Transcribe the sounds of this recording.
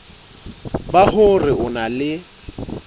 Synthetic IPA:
bahʊrɪʔʊnalɪ

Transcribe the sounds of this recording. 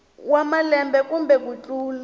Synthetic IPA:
wamalɛmbɛkumbɛkut͡ɬʼuːlu

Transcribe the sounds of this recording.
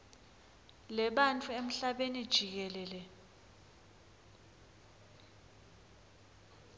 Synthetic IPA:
lɛɓant͡fʰuem̩ɬaɓenid̥ʒ̥ʱik̬ɛlɛːlɛ

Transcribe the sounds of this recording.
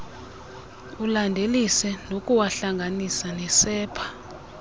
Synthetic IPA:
ulandʱelisɛnokʼuwaɬaŋɡʱanisanɛsɛːpʰḁ

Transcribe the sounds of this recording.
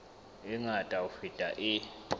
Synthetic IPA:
iŋatʼaufitʼaʔi

